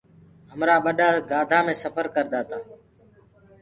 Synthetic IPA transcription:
ɦəmɾaːɓəɗaːɡaːd̪ʱaːmẽːsəpʰəɾkəɾd̪aːt̪ãː

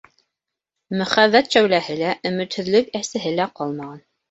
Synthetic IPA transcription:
mɵ̆χæðːæt̪ʃæwlæhɘlæʔɵ̆mɘ̆t̪hɵ̆ðlɵkæsɘ̆ɦɘlæqɑlˠmɑʁɑn

